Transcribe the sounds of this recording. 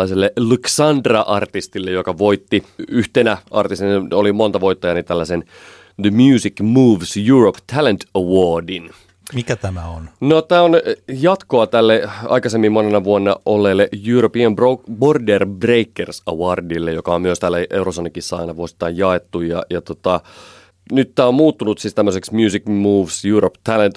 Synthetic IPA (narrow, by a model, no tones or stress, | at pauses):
ɑiselːelyksɑnd̪rɑʔɑrt̪ist̪ilːejokɑʋoit̪ːiyht̪enæʔɑ̰rt̪ist̪inolimo̞nt̪ɑʋo̞it̪ːɑjɑnit̪ælːæsen | ðəmjuːsikmuːʋsjuropt̪ʰælent̪ɑwoːdin | mikæt̪æmæonnot̪æːonjɑt̪koɑt̪ælːeɑ̰ikɑsemːimmonenɑʋuonːɑʔolːelːejuːɾopiɑmbroborderbreikːersɑ̰wɑrdilːejokɑommyøst̪ælːæʔeurosonːikisːæɑ̰inɑʋuosi̥t̪ːɑjjɑet̪ːujɑ̰jɑt̪ot̪ɑ | nyt̪t̪æːommuːt̪ːunut̪sist̪æmːøseksmjuːsikmuːʋsjuːɾopt̪ʰælent̪